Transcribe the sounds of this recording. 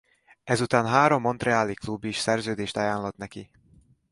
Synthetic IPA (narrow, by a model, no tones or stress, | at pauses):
ɛzut̪aːnɦaːɾomːont̪rɛaːliklubːiʃsɛrzøːd̪eːʃt̪ajaːnlɒt̪nɛki